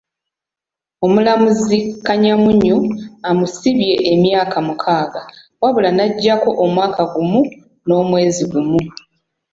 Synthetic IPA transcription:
o̞mulamuzikaɲamuɲuamusiβje̞ʔemjaːkamukʰaːɡa | waβulanaɟːako̞ʔomwaːkaɡumu | no̞ːmwe̞ːziɡumu

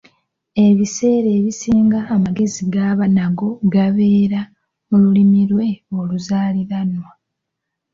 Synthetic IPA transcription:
e̞βise̞ːɾe̞ːβisiːŋɡaːmaɡe̞ziɡaːβanaɡo̞ɡaβe̞ːɾa | mululimiɾwe̞oluzaːliɾanwa

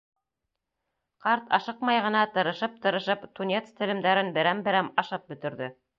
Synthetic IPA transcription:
qɑɾt̪ɑ̰ʃɤqmɑjʁɤ̆nɑt̪ɤ̆ɾɤ̆ʃɤp̚t̪ɤ̆ɾɤ̆ʃɤpt̪unʲet̪st̪ɘ̆lɘ̆md̪æɾɘnbɘ̆ɾæmbɘ̆ɾæmɑʃɤp̚bɵ̆t̪ɵ̆ɾðɵ

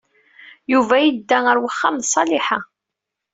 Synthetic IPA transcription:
juvæjəd̪ːæəɾwəχːamsˤːɑlɪħa

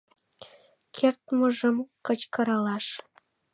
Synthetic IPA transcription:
kʰert̪mə̆ʒə̆mkət͡ɕkɤɾɑlɑʃ

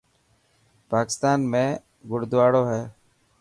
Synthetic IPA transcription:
paːkɪst̪aːnmẽː | ɡʊɽd̪ʋaːɽoːɦɛː

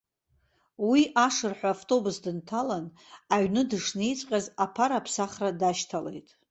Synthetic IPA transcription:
wiʔaʂɨrħʷᶣaːftʼo̞busdɨntʰalan | aɥnɨdɨʂnejt͡sʷʼqʲʼazapʰaɾapʰsaχradaʃtʰale̞̰jtʼ

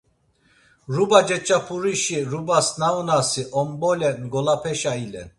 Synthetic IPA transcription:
ɾubad͡ʒɛt͡ʃʼapʰuɾiʃiɾubasnaunasiʔɔmbɔlɛnɡɔlapʰɛʃailɛ̰n

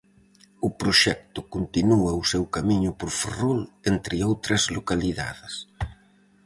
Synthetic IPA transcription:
ʊpɾoʃɛkt̪ʊkont̪inuɐʊsewkamiɲʊpoɾferolent̪ɾɪowt̪ɾɐzlokaliða̰ðɪs

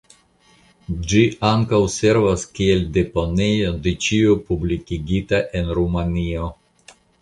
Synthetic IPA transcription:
d͡ʒiʔaŋkawse̞ɾvaskie̞lde̞po̞ne̞jo̞de̞t͡ʃiopublikiɡitaʔe̞nɾumanio̞

